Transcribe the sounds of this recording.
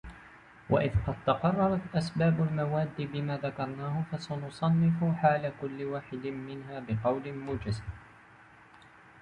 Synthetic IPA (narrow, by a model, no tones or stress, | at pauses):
wʔa̰ʔɪðqɑd̪̚t̪ɑqɑrˤːɑɾˤɑt̪ʔasbaːbʊlmawaːd̪ːibɪmaːðakɑɾˤnaːhʊfasanʊsˤɑnːɪfʊħaːlakʊlːɪwaːħɪd̪mɪnɦaːbɪqɑwlɪmʊd͡ʒaza